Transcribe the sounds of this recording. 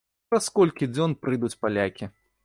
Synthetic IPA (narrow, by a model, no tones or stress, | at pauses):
ɾɐskɔlʲkʲid͡zʲɔnpɾɨd̪ut͡sʲpalʲakʲi